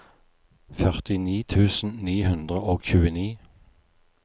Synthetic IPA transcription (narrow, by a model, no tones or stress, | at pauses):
fœʁt̪ɪniːt̪ʰʉːsn̩niːhʉnd̪ʁəoːçʉːəniː